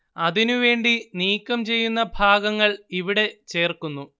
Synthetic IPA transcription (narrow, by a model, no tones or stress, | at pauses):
ɐðinuʋe̞ːɳɖiniːkːɐmt͡ɕe̞jːunːɐbʱaːɡɐŋːɐɭiʋiɽe̞t͡ɕe̞ːrkunːu